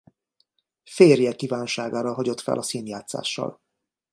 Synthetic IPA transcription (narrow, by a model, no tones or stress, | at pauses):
feːrjɛkiːvaːnʃaːɡaːɾɒɦɒɟo̞t̪fɛ̰lʔɒseːnjaːt̪sa̰ːʃːɒ̰l